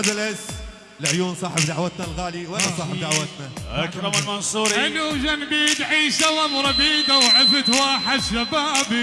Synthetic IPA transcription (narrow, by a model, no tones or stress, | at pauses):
ad̪alæs | lʕjuːnsˤɑːħɪbd̪aʕwat̪nalɣaːliwalːasˤɑːħɪbd̪aʕwat̪naʔakɾɑmalmʊnsˤuːɾialuʒanbid̪ʕiːʃawamɾˤɑbiːd̪awʕɪfɪt̪waːħɪd̪ʃabaːb